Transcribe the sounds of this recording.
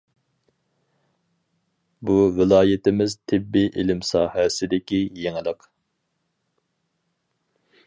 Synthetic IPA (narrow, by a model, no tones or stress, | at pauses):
buvɪlˠɑːjɪt̪ɪmɪzt̪ʰɪbːiʔilɪmsɑ̰ːhɛsɪd̪ɪkʲijeŋɪlˠəq